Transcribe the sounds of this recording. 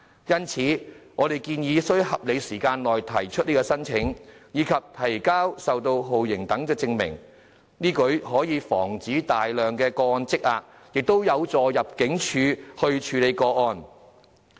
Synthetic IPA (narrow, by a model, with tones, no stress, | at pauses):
jɐ˥nt͡sʰiː˨˥ŋɔː˨˧ɾe˨jkiː˧njiː˨˧sɵ˥ɥɦɐ˨p̚le˨˧jsiː˨˩kaː˧nlɔː˨˩jt̪ʰɐ˨˩jt͡ʃʰɵ˥t̚niː˥kɔː˧sɐ˥nt͡ʃʰɪ˨˥ŋjiː˨˧kʰɐ˨p̚t̪ʰɐ˨˩jkaː˥wsɐ˨wt̪o˧wɦo˨wjɪ˨˩ŋt̪ɐ˨˥ŋkɛː˧t͡sɪ˧ŋmɪ̰˨˩ŋ | niː˥kɵ˨˥ɥɦɔː˨˥jiː˨˧fɔ̰ː˨˩ŋt͡siː˨˥t̪aː˨jlœː˨ŋkɛː˧kɔː˧ɔː˧nt͡sɪ˥k̚aː˨˧k̚ | jɪ˨k̚t̪o˥wjɐ˨˧wt͡sɔː˨jɐ˨p̚kɪ˨˥ŋt͡ʃʰyː˨˧hɵ˧ɥt͡ʃʰyː˨˧le˨˧jkɔː˧ɔː˧n